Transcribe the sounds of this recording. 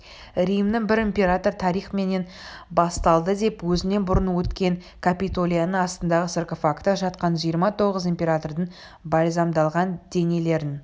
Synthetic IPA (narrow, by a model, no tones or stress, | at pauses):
ɾijmd̪ɪɴbɪɾɪmpʲe̞ɾat̪o̞ɾt̪ʰɑɾijχme̞ne̞n | bɑst̪ɑlˠd̪əd̪e̞pwɵzɪne̞nbʊɾənwɵt̪kʲe̞ŋ | kʰapit̪o̞lʲˠijanəɑst̪ənd̪ɑʁəserkofakt̪ːəʒɑt̪qɑnʒijəɾmɑt̪ʰo̞ʁəzimpʲe̞ɾat̪o̞rd̪əɴ | bɑjzɑmd̪ɑlˠʁɑnd̪̥e̞ne̞le̞ɾɪn